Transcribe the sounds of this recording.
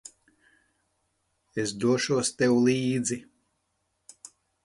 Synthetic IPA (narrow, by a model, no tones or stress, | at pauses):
esd̪uɔʃuɔst̪ɛwlˠiːd̪zi